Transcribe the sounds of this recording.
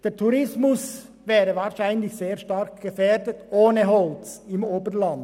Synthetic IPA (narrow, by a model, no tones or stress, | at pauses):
d̥eːɾtʰuɾɪsmʊs | vɛːɾəvaːɾʃaɪnlɪçseːʁʃtɑɾkɡ̥əfɛːɾdətʔoːnəɦɔlt͡sɪmoːbənlɑnd